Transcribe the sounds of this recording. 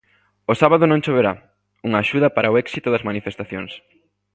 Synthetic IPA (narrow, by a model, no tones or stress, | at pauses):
osaβaðʊnõŋʃoβeɾa | uŋaːʃuðɐpaɾɐoɛksit̪ʊðɐzmanifest̪aθjoŋs